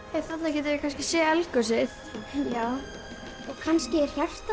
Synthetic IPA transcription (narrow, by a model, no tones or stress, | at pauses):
hejθɛt̪nacɛːt̪ɪɾvɪkʰans̬cɪsjɛːɛlkœs̬ɪθ | jaːw | ɔɣkʰanscɪɛɾ̥çar̥t̪a